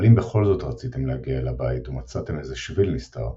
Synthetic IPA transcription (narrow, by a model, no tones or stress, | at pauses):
limbeχo̞lzo̞tʁat͡site̞mleaɡialabaitumat͡satemezeʃvilnista̰ʁ